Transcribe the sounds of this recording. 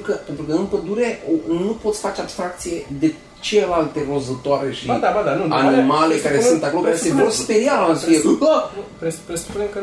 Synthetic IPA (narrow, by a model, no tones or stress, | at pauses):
kəpe̞nt̪ɾukəɨnpəd̪uɾe̞onupo̞t̪sʲfat͡ʃe̞abst̪ɾak̚t̪sije̞d̪e̞ | t͡ʃelelalt̪e̞ro̞zət̪oaɾeʃid̪abad̪anuanimale̞kaɾesɨnt̪ako̞lokkaɾesevo̞rspeɾialaanst̪ɾie | pepɾesu̥punekə